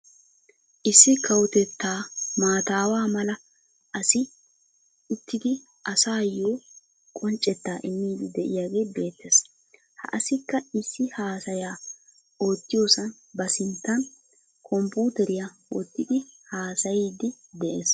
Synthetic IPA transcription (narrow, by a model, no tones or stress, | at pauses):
ʔɪsːɪkɐwʊt̪ɛt̪ːaːmaːt̪aːwaːmɐlɐ | ʔɐsɪː | t̪ːɪd̪ɪ | ʔɐsaːjo̞ː | kʼɔnt͡ʃʼɛt̪ːaːʔɪmːiːd̪ɪd̪ɛʔɪ̰jaːɡe̞ːbe̞ːt̪ːeːs | hɐ̰ʔɐsɪkːɐɪsːɪhaːsɐjaː | o̞ːt̪ːɪjoːsɐn | bɐsɪnt̪ːɐn | kʰɔmpuːt̪ɛɾɪjawɔ̰t̪ːɪd̪ɪhaːsɐjiːd̪ɪd̪ɛʔeːs